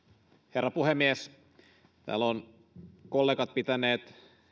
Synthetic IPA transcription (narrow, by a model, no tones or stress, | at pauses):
herːɑpuhemːies | t̪æ̰ːlːon | kolːeːkɑt̪̚pit̪æneːt̪